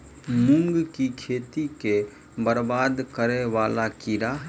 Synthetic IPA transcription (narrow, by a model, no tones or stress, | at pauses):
mʊ̃ŋɡkikʰeːt̪ike | bəɾbaːd̪kəɾeʋaːlakiɾaɦ